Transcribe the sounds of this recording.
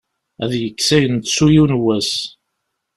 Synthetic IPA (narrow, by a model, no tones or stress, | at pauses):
æðjəkːsæjənt̪sujiwnwæs